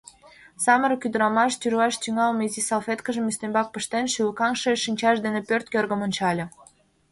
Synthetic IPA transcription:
sɑmə̆ɾɤkʲyd̪əɾɑmɑʃt̪yɾuɑʃt̪yŋɑlmezisɑlˠfʲet̪kə̆ʒə̆myst̪embɑk̚pə̆ʃt̪enʃylkɑŋʃeʃinʲt͡ɕɑʃd̪enĕpørt̪̚kʲørɡə̆monʲt͡ɕɑlʲɤ̆

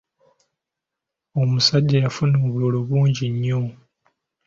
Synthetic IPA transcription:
o̞musaɟːajafunoːβoːloβuːɲɟiɲːo

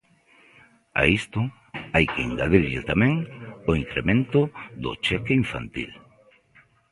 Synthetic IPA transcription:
a̰ist̪ʊ | ajkeiŋɡaðiɾʎɪ̰t̪amẽŋoiŋkɾemẽnt̪ʊðʊ̰t͡ʃekeiɱfa̰nt̪ḭl

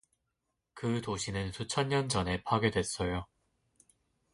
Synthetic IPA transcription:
kɯtoɕʰinɯnsʰut͡ɕʰʌnɲʌnd͡ʑʌne̞pʰaɡjedwe̞s͈ʌjo

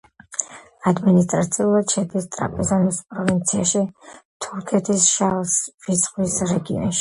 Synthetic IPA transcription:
ad̪minist̪ʼɾat̪sʰiulˠad̪ʃɛd̪ist̪ʼɾa̰pʼɛzɔnispʼɾɔvint̪sʰiaʃit̪ʰuɾkʰɛt̪ʰisʃalsvit̪sʰʼχwisɾɛɡiɔ̰nʃi̥

